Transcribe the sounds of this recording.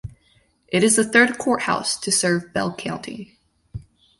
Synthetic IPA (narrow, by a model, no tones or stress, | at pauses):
ʔɨɾɨzðɨθɜ˞d̚kʰɔɹt̚ha̰ʊstʰɨsɜ˞vbɛ̰lˠkʰãʊ̃ntʰḭ